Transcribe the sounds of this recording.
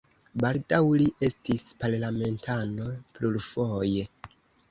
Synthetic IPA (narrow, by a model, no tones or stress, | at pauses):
baldawliʔe̞stispaɾlame̞ntano̞pluɾfo̞je